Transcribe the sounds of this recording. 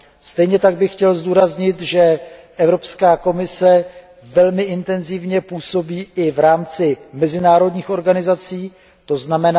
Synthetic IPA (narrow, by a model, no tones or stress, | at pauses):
st̪ɛjɲɛt̪aɡ̚bɪxxcɛlzd̪uːɾazɲɪt̪ʒɛʔɛvɾo̞pskaːko̞mɪsɛ | vɛlmɪʔɪnt̪ɛnzɪvɲɛpuːso̞biːʔɪvɾaːmt͡sɪmɛzɪnaːɾo̞dɲiːxo̞ɾɡanɪzat͡siː | t̪o̞znamɛna